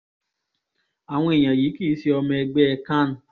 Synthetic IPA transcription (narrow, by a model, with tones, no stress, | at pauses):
a˨ŋʷɔ˦e˨jã˨ji˨˦ki˦si˦ɔ˧mɛ˧ɡ͡bɛ˦˧ka˦˨n̩˨˦